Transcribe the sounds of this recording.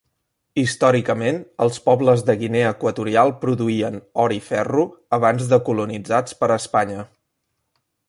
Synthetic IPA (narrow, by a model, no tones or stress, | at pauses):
ist̪ɔɾikəmenə̰lˠspɔbləzðəɣineəkwət̪uɾialˠpɾuðuiənɔɾifɛruəβ̞anzðəkulunid͡zat͡spəɾəspaɲə